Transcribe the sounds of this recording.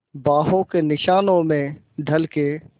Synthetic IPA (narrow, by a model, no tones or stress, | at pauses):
baːɦõkenɪʃaːnõmẽ | ɖʱɐlke